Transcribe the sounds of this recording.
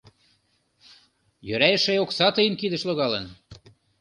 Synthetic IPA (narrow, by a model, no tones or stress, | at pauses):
jøɾæjə̆ʃeoksɑt̪ɤjənkid̪ə̆ʃloɣɑlən